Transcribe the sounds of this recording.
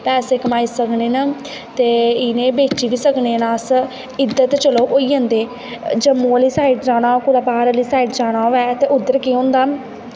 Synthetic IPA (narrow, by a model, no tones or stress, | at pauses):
pɛːseːkəmaːiːsəkneːnaː | t̪eːɪnẽːbeːt͡ʃiːʋiːsəkneːnãːs | ɪd̪ət̪t͡ʃəloːʔoːiːɦə̃nd̪eː | d͡ʒəmːõːəliːsaːiʈd͡ʒaːɽ̃aːkoːlaːbaːɾəliːsaːiːʈd͡ʒaːɽ̃aːʋɛːt̪eːʔʊd̪ːəɾkiõːnd̪aː